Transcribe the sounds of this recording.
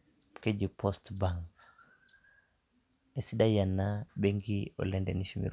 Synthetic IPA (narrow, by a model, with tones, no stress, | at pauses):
ke˦d͡ʒi˨pʰostbaŋk | e˨si˦da˦ja˨nːabe˦ŋɡio̰˨le˦ndḛ˨niʃimḭ˨ɾ